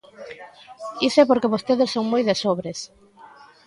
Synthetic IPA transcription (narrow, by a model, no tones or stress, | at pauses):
isepoɾkeβost̪eðɪssːoŋmojðesoβɾes